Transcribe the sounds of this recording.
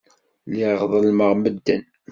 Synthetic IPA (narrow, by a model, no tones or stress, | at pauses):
liʁðˤəlməʁməd̪ːən